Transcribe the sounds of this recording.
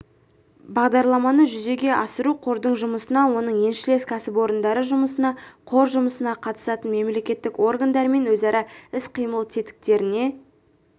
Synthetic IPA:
bɑʁd̪ɑɾlˠɑmɑnəʒʏze̞ɡʲe̞ʔɑsəɾuqʰo̞ɾd̪əɴʒʊməsənɑwo̞nəɴje̞nʃɪle̞skʲʰæsɪpwo̞ɾənd̪ɑɾəʒʊməsənɑqʰo̞ɾʒʊməsənɑqʰɑt̪ə̥sɑt̪ənme̞mle̞kʲe̞t̪ːɪko̞rɡand̪ɑɾəme̞nwɵzɑɾɑɪsqʰijməlˠt̪ʰet̪ɪ̥k̚t̪e̞ɾɪne̞

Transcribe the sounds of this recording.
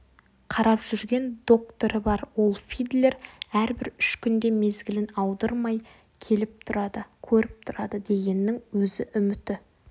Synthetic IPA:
qʰɑɾɑpʒ̥ʏɾɡʲe̞nd̪o̞k̚t̪oɾəbɑɾwo̞lˠfijd̪le̞ɾæɾbɪɾʏʃkʲʏnd̪e̞me̞zɡʲɪlɪnɑwd̪əɾmɑj | kʲʰe̞lɪp̚t̪ʰʊɾɑd̪əkʲʰɵɾɪp̚t̪ʰʊɾɑd̪əd̪e̞ɡʲe̞nːɪŋwɵzɪʔʏmɪt̪ɪ

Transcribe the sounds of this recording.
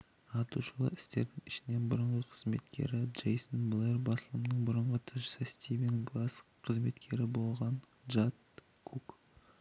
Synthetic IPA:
ɑt̪uʃəlˠə̰ɾɪst̪e̞ɾd̪ɪŋɪʃɪne̞nbʊɾəɴʁəqʰə̥zme̞̰t̪kʲe̞̰ɾɪʒejsənblˠerbɑsəlˠəmnəɴbʊɾəɴʁət̪ʰɪʒsəst̪ʲivenɡlˠasqʰəzme̞t̪kʲʰe̞ɾɪbo̞lˠʁɑn | ʒat̪ | kʰuk

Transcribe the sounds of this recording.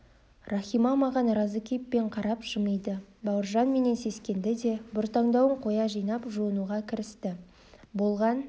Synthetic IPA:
rɑχʲijmɑmɑʁɑnrɑzəkʲʰepːe̞ɴqʰɑɾɑpʒ̥əməjd̪əbɑwəɾʒɑnme̞ne̞nse̞skʲe̞nd̪ɪd̪e̞bʊɾt̪ɑɴd̪ɑwəɴqʰo̞jɑʒijnɑpʒuənuʁɑkʲʰɪɾɪst̪ɪ | bo̞lˠʁɑn

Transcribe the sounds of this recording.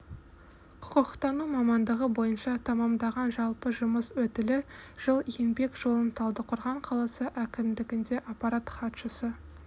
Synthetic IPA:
qʰʊ̥qəqt̪ɑnumɑmɑnd̪əʁəbo̞jənʃɑt̪ʰɑmɑmd̪ɑʁɑnʒɑlˠpəʒʊməswɵt̪ɪlɪʒ̥əlˠenbe̞kʒo̞lˠənt̪ʰɑlˠd̪əqʰʊɾʁɑɴqʰɑlˠɑsəʔækʲɪmd̪ɪɡʲɪnd̪e̞ʔapːɑɾat̪χɑt̪ʃəsə

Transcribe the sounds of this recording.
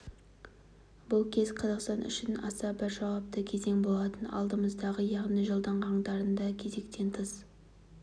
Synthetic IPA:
bʊlˠkʲʰe̞zqʰɑzɑqst̪ɑnʔʏ̰ʃɪnɑ̰sɑbɪɾʒɑwɑp̚t̪əkʲʰe̞ze̞ŋbo̞lˠɑt̪ənɑ̰lˠd̪əməzd̪ɑʁəjɑʁnijʒolˠd̪ɑɴʁɑɴd̪ɑɾənd̪ɑkʲʰe̞ze̞kt̪e̞nt̪ʰəz

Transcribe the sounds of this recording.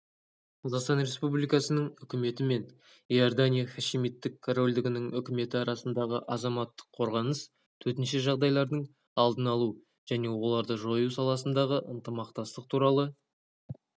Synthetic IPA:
qʰɑzɑqst̪ɑnɾʲe̞spublijkɑsənəɴʏkʲɪme̞t̪ɪme̞n | ijord̪anʲijaχɑʃimit̪ːɪkkʰːoro̞lʲd̪ɪɡʲɪnɪŋʏkʲɪme̞t̪ɪɑɾɑsənd̪ɑʁəʔɑzɑmɑt̪ːə̥qʰːo̞ɾʁɑnəs | t̪ʰɵɾt̪ɪnʃɪʒɑʁd̪ɑjlˠɑɾd̪əɴ | ɑlˠd̪ənɑlˠu | ʒ̥æne̞wolˠɑɾd̪əʒo̞jusɑlˠɑsənd̪ɑʁəʔənt̪əmɑq̚t̪ɑst̪əq̚t̪ʰuɾɑlˠə

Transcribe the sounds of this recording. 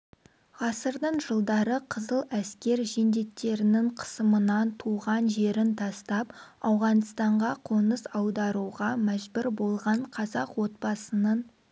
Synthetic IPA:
ʁɑsəɾd̪əɴʒəlˠd̪ɑɾəqʰəzəlˠæskʲe̞ɾʒend̪e̞kt̪ːe̞ɾɪnɪɴqʰə̥səmənɑnt̪ʰuʁɑnʒe̞ɾɪnt̪ʰɑst̪ɑpɑwʁɑnst̪ɑɴʁɑqʰonəsɑwd̪ɑɾuʁɑmæʒbʏɾbo̞lˠʁɑɴqʰɑzɑqwo̞t̪̚bɑsənɑn

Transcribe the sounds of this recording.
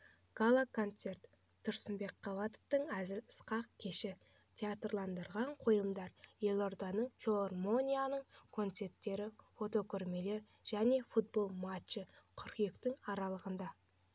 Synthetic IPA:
ɡ̥alˠakʰo̞nt̪se̞rt̪ːʰ | ʊɾsɪmbe̞kqʰːɑvɑt̪ə̥ft̪əɴæzɪləsqɑq̚kʲʰe̞ʃɪ | t̪ʲʰeat̪rlˠɑnd̪əɾʁɑɴqʰo̞jəmd̪ɑɾje̞lʲˠo̞rd̪ɑnəɴfʲelˠormo̞nʲijanəɴkʰo̞nt̪se̞ɾt̪ːe̞ɾɪfo̞t̪o̞kʲʰʏɾme̞le̞ɾ | ʒ̥æne̞fut̪̚bo̞lˠmat͡ʃːəqʰʏɾkjekt̪ɪŋɑɾɑlˠəʁənd̪ɑ

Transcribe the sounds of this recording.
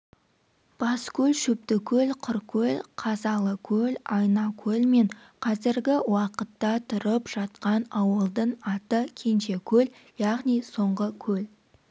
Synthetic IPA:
b̥ɑskʲʰɵlʃɵp̚t̪ɪkʲʰɵlqʰʊɾkʲʰɵlqʰɑzɑlˠəkʲʰɵlɑjnɑkʲʰɵlme̞ɴ | qʰɑzɪɾɡʲɪwɑqət̪ːɑt̪ʰʊɾəpʒ̥ɑt̪qɑnɑwəlˠd̪əɴɑt̪əkʲʰe̞nʃe̞kʲʰɵl | jɑʁnijso̞ɴʁəkʲʰɵl

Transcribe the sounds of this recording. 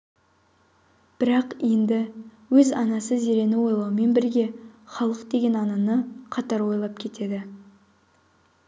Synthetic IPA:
b̥ɪɾɑqe̞nd̪ɪwɵzɑnɑsəze̞ɾe̞nɪwo̞jlˠɑwəme̞nbɪɾɡʲe̞χɑlˠəqd̪e̞ɡʲe̞nɑnɑnəqʰɑt̪ɑɾwo̞jlˠɑp̚kʲʰe̞t̪e̞d̪ɪ

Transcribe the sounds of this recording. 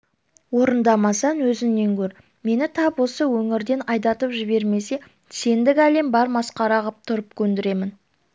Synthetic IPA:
wo̞ɾənd̪ɑmɑsɑnwɵzɪmne̞ŋkʲʰɵɾ | me̞nɪt̪ʰɑpwo̞səwɵŋɪɾd̪e̞nɑjd̪ɑt̪əpʒɪbe̞ɾme̞se̞ | se̞nd̪ɪkʲæle̞mbɑɾmɑsqɑɾɑʁəp̚t̪ʰʊɾəp̚kʲʰɵnd̪ɪɾe̞mɪn

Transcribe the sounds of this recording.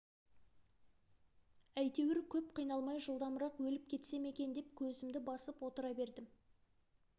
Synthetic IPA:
æjt̪e̞wɪɾkʲʰɵp̚qʰijn̪ɑlˠmɑjʒəlˠd̪ɑmɾɑqwɵlɪp̚kʲʰe̞t̪se̞me̞kʲe̞nd̪e̞p̚kʲʰɵzɪmd̪ɪbɑsəpwo̞t̪əɾɑbe̞ɾd̪ɪm

